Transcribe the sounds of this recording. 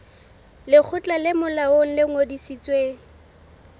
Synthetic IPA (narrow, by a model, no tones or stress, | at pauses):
lɪk͡xʰʊt͡ɬʼalɪmʊlaoŋ̩lɪŋodisit͡sʼweːŋ̩